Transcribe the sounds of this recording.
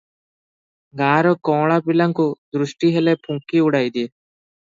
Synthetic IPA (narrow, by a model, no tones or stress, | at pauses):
ɡãːɾɔkɔ̃ːɭapilãŋkud̪ɾʊʃʈiɦelepʰũŋkiuɽaːjd̪i